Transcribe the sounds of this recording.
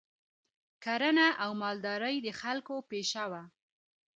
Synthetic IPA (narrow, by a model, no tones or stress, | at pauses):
kaɾənaʔawmɑld̪ɑɾəjd̪əxalkopeʃawa